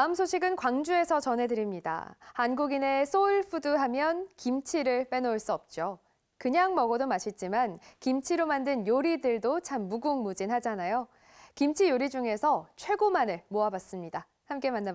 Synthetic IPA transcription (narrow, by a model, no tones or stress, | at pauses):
aɯmsʰoɕʰiɡɯnkwaŋd͡ʑue̞sʰʌt͡ɕʌnɦe̞dɯɾimɲida̰hanɡuɡine̞sʰoiɭpʰuduɦamjʌnkimt͡ɕʰiɾɯɭp͈e̞noɭs͈uʌp̚t͡ɕ͈o | kɯɲaŋmʌɡʌdomaɕʰit̚t͡ɕ͈imankimt͡ɕʰiɾomandɯnjoɾidɯɭdot͡ɕʰamːuɡuŋmud͡ʑinhad͡ʑanajo | kimt͡ɕʰijoɾid͡ʑuŋe̞sʰʌt͡ɕʰwe̞ɡomanɯɭmoabas͈ɯmɲida | hamk͈e̞manːa